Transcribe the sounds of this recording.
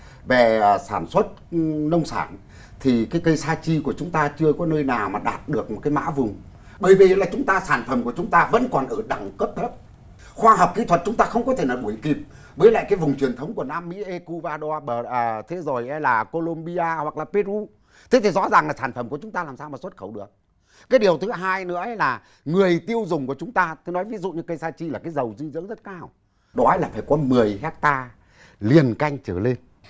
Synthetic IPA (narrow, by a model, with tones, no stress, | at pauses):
ve˨˩˨saː˧˩nswə˦˥t̚nə˧wŋ͡msa̰ː˧˩n | t̪ʰi˨˩kaː˨˦jkə˧jsaː˧t͡ɕi˧ku˧˩ət͡ɕʊ˨˦ŋ͡mt̪aː˧t͡ɕɨ˧əkɔ˨˦nəː˧jnaː˨˩wmaː˨˩ɗaː˨˩t̚ɗɨ˨˩ək̚mo˨˩t̚kaː˨˦jma̰ː˧˥vʊ˨˩ŋ͡m | ɓəː˧˩jvi˨˩˨laː˨˩t͡ɕʊ˨˦ŋ͡mt̪aː˧saː˧˩nfə˨˩mku˧˩ət͡ɕʊ˨˦ŋ͡mt̪aː˧və̰˧˥nkɔ˨˩nʔəː˧˩ɗa˨˩ŋkə˦˥p̚t̪ʰə˦˥p̚ | xwaː˧ɦəː˨˩p̚kḭ˨˧˥t̪ʰwə˨˩t̚t͡ɕʊ˨˦ŋ͡mt̪aː˧xə˧wŋ͡mkɔ˨˦t̪ʰe˧˩naː˨˩wɗu˧˩əjki˨˩p̚ | vəː˨˦jla̰ː˧˨kaː˨˦jvʊ˨˩ŋ͡mt͡ɕwi˨˩ənt̪ʰə˨˦wŋ͡mku˧˩ənaː˧mːḭ˧˥ʔe˧ku˧vaː˧ɗo˧a˧ɓəː˧˩ʔəː˨˩t̪ʰe˨˦zo˨˩jʔɛ˧˦laː˨˩ko˧lo˧mɓi˧aː˧hwa˨˩k̚laː˨˩pe˧u˧ | t̪ʰe˨˦t̪ʰi˨˩zɔ̰˧˥zaː˨˩ŋlaː˨˩saː˧˩nfə˧˩mku˧˩ət͡ɕʊ˨˦ŋ͡mt̪a˧aː˨˩msaː˧wmaː˨˩swə˦˥t̚xə˧˩wɗɨ˨˩ək̚ | kːaː˨˦jɗi˨˩əwt̪ʰɨ˨˦ɦaː˧jnɨ̰˧˥əʔlaː˨˩ | ŋɨ˨˩əjt̪i˧əwzʊ˨˩ŋ͡mku˧˩ət͡ɕʊ˨˦ŋ͡mt̪aː˧t̪ʰe˨˦nɔ˨˦jvi˨˦zṵ˧˨ɲɨ˧kə˧jsaː˧t͡ɕi˧˨laː˨˩kaː˨˦jzə˨˩wzɨ˧zɨ̰˧˥ənzə˦˥t̚kaː˧w | ɗɔ˨˦jlaː˨˩faː˧˩jkɔ˨˦mɨ˨˩əjɦɛ˦˥t̚t̪aː˧ | li˨˩ənka˧jŋ̟t͡ɕəː˧˩le˧n